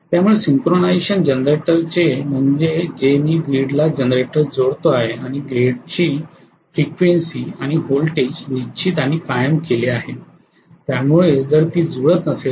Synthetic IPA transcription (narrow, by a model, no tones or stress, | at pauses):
t̪jamuɭesiŋkɾonajɕənd͡ʑənɾeʈəɾt͡ɕem̤əɳd͡zed͡ʑemiːɡɾiɽlad͡ʑənɾeʈəɾd͡zoɽt̪oaɦeaɽ̃iɡɾeɽt͡ɕiː | fɾikʋensiːaɽ̃iɦolʈesʈʋit͡ɕʰit̪añikajəmkeleaɦe | t̪jamuɭed͡zəɾt̪iːd͡zuɭət̪nəse